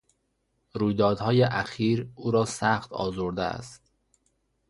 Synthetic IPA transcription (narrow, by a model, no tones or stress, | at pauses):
ɾuːjd̪ɒːd̪hɒːjeʔæxiːɾuːɾɒːsæxt̪ʰɒ̰ːzoɾd̪ḛæ̰st̪